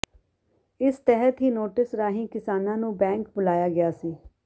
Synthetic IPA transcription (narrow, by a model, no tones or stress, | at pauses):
ɪst̪ɛɦət̪ɦiːnoːʈɪsɾaːɦĩːkɪsaːnãːnũːbɛ̃ːŋk̚bʊlaːjaːɡɪjaːsiː